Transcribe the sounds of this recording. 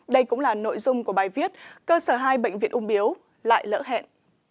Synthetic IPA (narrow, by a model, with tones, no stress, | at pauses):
ɗə˧jkʊ̰˧˥ŋ͡mlaː˨˩no̰˧˨jzʊ˧ŋ͡mku˧˩əɓaː˨˩jvi˦˥ət̚kəː˧səː˧˩ɦaː˧jɓə̰˧˨jŋvḭ˧˨ənʔʊ˧ŋ͡mʔi˨˦əw | la̰ː˧˨jlə̰ː˧˥ɦɛ̰˧˨n